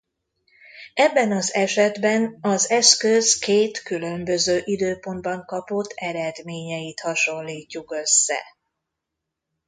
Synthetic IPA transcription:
ɛbːɛnɒzɛʃɛd̪bɛnɒzɛskøskeːt̪kylø̞mbø̞zøːʔid̪øːpo̞nd̪bɒŋkɒpo̞t̪ʰːɛɾɛd̪meːɲɛjit̪hɒʃo̞nliːcːukø̞sːɛ̰

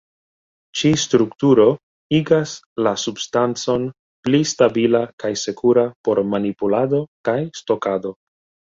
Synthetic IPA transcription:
t͡ʃistɾuktuɾo̞ | iɡas | lasubstant͡so̞n | plistabilakajse̞kuɾapo̞ɾmanipulado̞kajsto̞kado̞

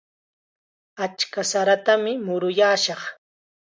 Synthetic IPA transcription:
at͡ʃkasaɾat̪amɪmʊɾʊjaːʃɑχ

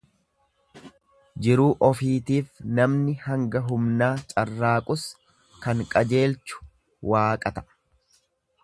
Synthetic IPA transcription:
d͡ʒɪɾuːʔɔfiːt̪iːfnɐmnɪhɐŋɡɐɦʊmnaːt͡ʃʼɐrːaːkʼʊs | kɐŋkʼɐd͡ʒe̞ːlt͡ʃʊ̥ | waːkʼɐt̪ɐ̥

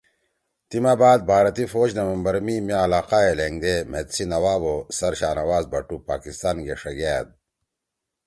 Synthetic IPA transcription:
t̪imabaːd̪̚bʱaːɾɐt̪ifoːd͡ʑnɐʋɐmbɐɾmimaːlaːqaeleŋɡd̪em̤et̪sinɐwaːbosɐɾɕaːnɐwaːzbɐʈupaːkist̪aːnɡeʂɐɡæːd̪̚

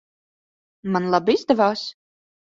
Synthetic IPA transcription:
manlˠabizd̪ɛvaːs

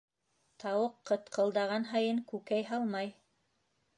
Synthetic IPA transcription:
t̪ɑwɤqːɤt̪qɤ̆lˠd̪ɑʁɑnɦɑjɤŋkʉkæjɦɑlˠmɑj

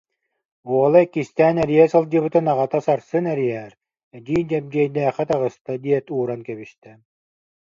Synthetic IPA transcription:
uɔlˠaɛkːist̪ɛːnɛɾijɛsɯlˠd͡ʑɯbɯt̪ɯnaʁat̪asaɾsɯnɛɾiɛɾ | ɛd̪iːnd͡ʑɛmɡiɛjd̪ɛːχɛt̪aʁɯst̪ad̪iɛt̪uːɾankɛβist̪ɛ

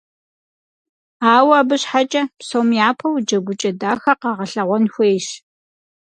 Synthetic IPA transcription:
aːwabɨɕħat͡ʃʼɐpsoːmjaːpʰɐwd͡ʒɐɡʷʊt͡ʃʼɐdaːxɐqɑːʁɐɬɐʁʷɔnxʷejʃ

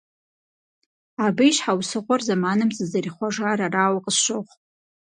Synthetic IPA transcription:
abɨʃħawsɨʁʷʼarzamanɨmt͡sʼɨzariχʷaʐaɾaraːwaqʼəsʃʷoχʷʼ

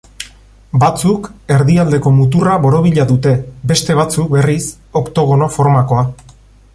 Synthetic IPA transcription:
bat͡suke̞ɾðiald̪e̞ko̞mut̪uraβo̞ɾo̞β̞iʎaðut̪e̞be̞st̪e̞β̞at͡suk̚be̞ris | o̞kt̪o̞ɣ̞o̞no̞fo̞ɾmako̞a

